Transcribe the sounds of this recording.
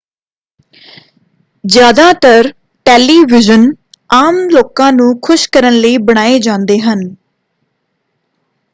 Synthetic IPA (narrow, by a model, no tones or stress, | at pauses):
zjaːd̪aːt̪əɾ | ʈeːliːʋɪd͡ʒən | aːmloːkãːnũːkʰʊʃkəɾənləiːbəɽ̃aːeːd͡ʒãːnd̪eːɦən